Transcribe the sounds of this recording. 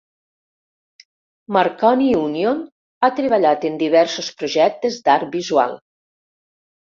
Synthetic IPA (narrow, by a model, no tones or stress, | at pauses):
maɾkɔniunjon | at̪ɾeβ̞aʎat̪end̪iβɛɾsospɾoʒɛk̚t̪ezd̪aɾbizwa̰lˠ